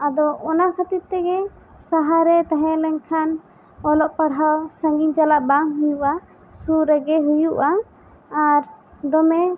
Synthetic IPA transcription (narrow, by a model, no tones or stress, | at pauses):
ad̪ɔʔɔnakʰət̪iɾ̚t̪ɛɡɛ | saɦaɾɛt̪aɦɛ̃lɛɲkʰan | ɔlɔʔpaɽɦawsə̃ŋɡind͡ʒalaʔbaŋɦujuʔa | suɾɛɡɛɦujuʔa | aɾ | d̪ɔmɛ